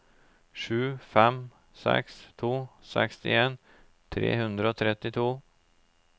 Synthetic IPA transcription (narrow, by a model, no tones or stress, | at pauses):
ʂʉ̟ːfɛm | sɛ̰kst̪ʰuːsɛkst̪ɪeːn | t̪ʰɾḛːhɵnd̪ɾaot̪ʰɾɛt̪ːɪt̪ʰuː